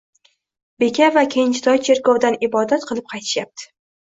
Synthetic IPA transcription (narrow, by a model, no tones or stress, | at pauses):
be̞kʲʰavakʲʰejɪnt͡ʃɪt̪ʰɒjt͡ʃʰe̞ɾkɒwd̪anɪbɒd̪at̪qʰɨlˠɪp̚qʰɑjt̪ʰɪ̥ʃjap̚t̪ʰɪ̥